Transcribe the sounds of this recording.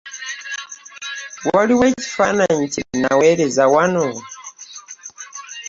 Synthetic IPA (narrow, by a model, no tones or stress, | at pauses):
waliwɛci̥fanaɲcinanawɛɾɛzawanɔ